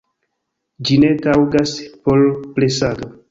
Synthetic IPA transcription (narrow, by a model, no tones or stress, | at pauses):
d͡ʒinetawɡaspolplesado